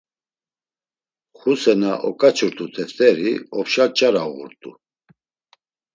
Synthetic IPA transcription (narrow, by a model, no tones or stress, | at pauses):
χusɛnaʔɔkʼat͡ʃʰuɾt̪ʰʼut̪ʰɛft̪ʰʼɛɾiɔpʃat͡ʃʼaɾauɣṵɾt̪ʼṵ